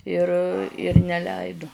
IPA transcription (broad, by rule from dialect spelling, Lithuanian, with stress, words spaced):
ɪr ɪr nʲɛˈlʲɛɪdʊ